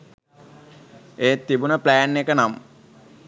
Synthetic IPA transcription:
eːt̪ːibunəplæːnːekənam

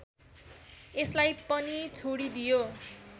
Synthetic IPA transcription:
eslajpʌnit͡sʰoɽid̪ijo

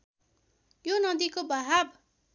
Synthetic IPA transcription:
jonʌd̪ikobʌɦab

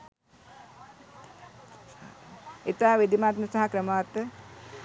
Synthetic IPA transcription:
it̪aːʋid̪imaːt̪mɐsɐɦɐkɾɐmaːt̪

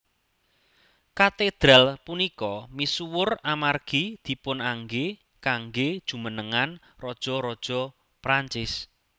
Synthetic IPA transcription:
kat̪ed̪̥ɾalpunikɔmisuwʊramarɡ̥id̪̥i̤pʊnaŋɡe | kaŋɡed̥ʒ̥ṳmənəŋan | rɔd̥ʒ̥ɔ̤ɾɔd̥ʒ̥ɔ̤ | pɾaɲt͡ʃɪs

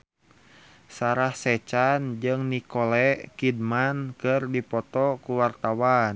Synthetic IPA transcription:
saɾahsɛt͡ʃand͡ʒɨŋnikɔlɛkid̚mankɨrdipɔt̪ɔkuwart̪awan

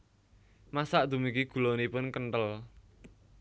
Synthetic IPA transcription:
masaʔd̪̥ṳmikiɡ̥ṳlɔnipʊnkənt̪əl

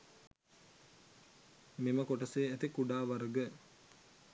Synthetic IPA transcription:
miməkoʈəseːæt̪ikuɖaːʋaɾəɡə

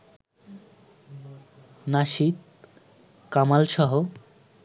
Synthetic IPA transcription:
naʃit̪̚ | kamalʃɔɦo

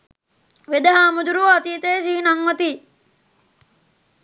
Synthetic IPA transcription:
ʋed̪ɐɦaːmud̪uɾuat̪iːt̪eːsiːnaŋʋɐt̪iː

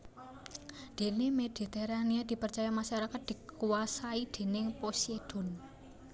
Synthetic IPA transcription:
d̪̥e̤nemed̪̥i̤t̪eɾaniad̪̥i̤pərt͡ʃajamaʃaɾakat̪̚d̪̥ikuwasaid̪̥e̤nɪŋposed̪̥ɔ̤n

